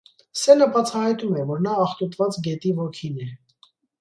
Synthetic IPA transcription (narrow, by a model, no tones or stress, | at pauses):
sɛləbɑt͡sʰɑhɑjt̪umɛvɔɾnɑːχt̪ut̪vɑt͡sɡɛt̪ivɔkʰinɛ